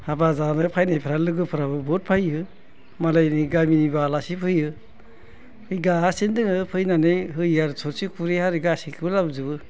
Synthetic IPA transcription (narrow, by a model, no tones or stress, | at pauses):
habazanɯpʰajnajpʰiɾalɯɡɯpʰɯɾabɯbɔt̚pʰajɯ | malajniɡaminibalasipʰɯjɯ | ɯjɡaɦasindɯŋɯpʰɯjnanejɦɯjaɾsʰɔɾsikʰuɾehaɾiɡasikʰibɯlabɯzɯbɯ